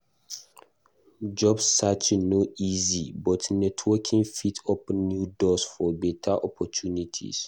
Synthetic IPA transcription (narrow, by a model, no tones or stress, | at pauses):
d͡ʒɔbsːat͡ʃnoizibɔtnɛtʰwɔkʰĩŋfitʰɔpnjudɔsfɔbɛtʰaʔɔpʰɔtʰunitʰḭs